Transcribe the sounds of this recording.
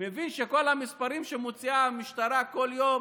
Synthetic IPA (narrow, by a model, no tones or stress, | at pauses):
mevinʃeko̞lamispaɾimʃemot͡siamiʃt̪aɾako̞ljo̞m